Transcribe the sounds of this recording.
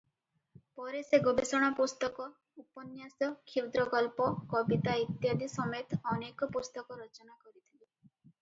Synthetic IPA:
pɔɾeseɡobesɔɽ̃ɔpust̪ɔkɔ | upɔnjasɔkʰiwd̪ɾɔkɔlpɔkɔbit̪ait̪jad̪ʱisɔmet̪ɔnekɔpust̪ɔkɔɾɔt͡ʃɔnakɔɾit̪ʰile

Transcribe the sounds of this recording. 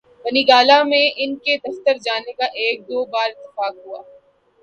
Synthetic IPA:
bɐniːɡaːlamẽʔɪnked̪ɐft̪əɾd͡ʒaːnekaʔeːk̚d̪oːbaːɾɪt̪ːɪ̥faːkɦuaː

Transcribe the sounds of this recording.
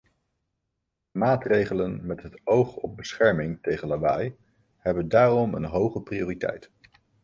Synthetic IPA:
maːtrejχələnmɛtɦətowχɔp̚bəsχɛɹmɪŋtejχənlaʋa̰j | hɛbəndaːrɔmə̰nɦowχəpriʊːritɛ̰jt

